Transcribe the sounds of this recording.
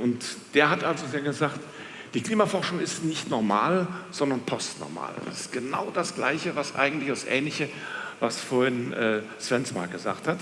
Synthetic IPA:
ʔʊntd̥eːɐɦatʔalzozeːɡəzaːkt | d̥iːkl̥iːmafɔɐʃʊŋɪstnɪçtnɔɐma̰ːlz̥ɔndɐnpʰɔstnɔ̰ɐma̰ːld̥a̰sɪ̥stɡ̥əna̰ʊd̥asɡ̥la̰ɪçəvasʔa̰ɪɡŋ̩tlɪçdasʔɛ̰ːnlɪçəvasfoːɐhɪnʔɛː | sv̥ɛnsma̰ːɡ̥əza̰ːχthat

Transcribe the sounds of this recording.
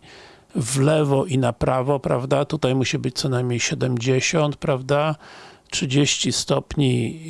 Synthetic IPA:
vlɛvɔʔinapɾavɔpɾa̰vd̪at̪ut̪ajmuɕibɘt͡ɕt̪sɔnajmɲejɕɛd̪ɛmd͡ʑeɕɔnt̪̚pɾavd̪atʂɘd͡ʑeɕt͡ɕist̪ɔpɲi

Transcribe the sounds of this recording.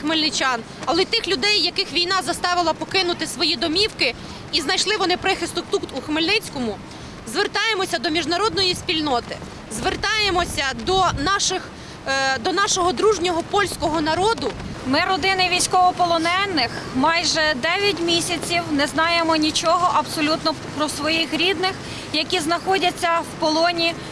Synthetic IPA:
xmɪlʲnɪt͡ʃɑn | ɐlˠɛt̪ɪxlʲʊd̪ɛjːɐkɪxʋʲijnɑzɐst̪ɑʋɪlˠɐpɔkɪnʊt̪ɪsʋɔjid̪ɔmʲiwkɪ | iznɐjʃlˠɪʋɔnɪpɾɪxɪst̪ʊkt̪ut̪uxmelʲnɪt͡sʲkɔmʊ | zʋert̪ɑjemɔsʲɐd̪ɔmʲiʒnɐɾɔd̪nɔjisʲpʲilʲnɔt̪ɪ | zʋert̪ɑjemɔsʲɐd̪ɔnɑʃɪx | d̪ɔnɑʃɔɦɔd̪ɾuʒnʲɔɦɔpɔlʲsʲkɔɦɔnɐɾɔd̪ʊmɪɾɔd̪ɪnɪʋʲijsʲkɔʋɔpɔlˠɔnɛnːɪxmɑjʒɛd̪ɛʋʲjɐtʲmʲisʲɐt͡sʲiwnɛznɑjemɔnʲit͡ʃɔɦɔʔɐbsɔlʲut̪nɔpɾɔsʋɔjixɾʲid̪nɪx | jɐkʲiznɐxɔdʲɐt͡sʲːɐwpɔlˠɔnʲi

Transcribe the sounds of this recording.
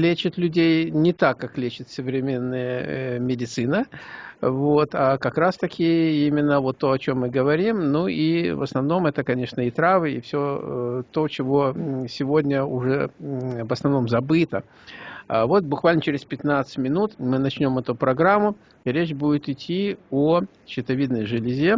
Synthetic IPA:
lʲet͡ɕɪt̪lʲʉdʲejnʲɪt̪akːaklʲet͡ɕɪt̪sʲəvɾʲɪmʲe̞nːəjəəmʲɪdʲɪt̪sɨnə | vo̞t̪akɐkɾast̪ɐkʲɪimʲɪnːəvo̞t̪ːo̞ɐt͡ɕo̞mːɨɡəvɐɾʲimnuivə̰snɐvno̞mɛt̪əkɐnʲe̞ʂnəit̪ɾavɨḭfsʲot̪o̞t͡ɕɪvo̞sʲɪvodʲnʲəʊʐɛ̰vəsnɐvno̞mzɐbɨt̪ə | vo̞t̪̚bʊkvalʲnət͡ɕɪɾʲɪspʲɪt̪nat̪sɨ̥tʲmʲɪnut̪mɨnɐt͡ɕnʲo̞mɛt̪ʊpɾɐɡɾamːʊ | ɾʲet͡ɕbudʲɪt̪ɪtʲʰːio | ɕɪt̪ɐvʲid̪nəjʐɨlʲɪzʲe

